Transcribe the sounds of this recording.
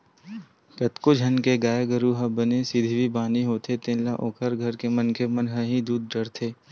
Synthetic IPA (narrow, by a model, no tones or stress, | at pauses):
kɐt̪kod͡ʒʱɐnkeɡaːjɡəɾuɦɐbənesɪd̪ʱibʱibaːniɦoːt̪et̪ẽːnlaʔoːkʰəɾɡʱɐɾkemɐnkʰemɐnɦəɦid̪uːd̪̚ɖɐɾt̪ʰeː